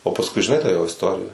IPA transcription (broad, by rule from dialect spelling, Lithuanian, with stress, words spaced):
oː pɐsˈkʊɪ ʒʲɪˈnɐɪ tɑː ˈjoː ɪsˈtoːrʲɪjɛ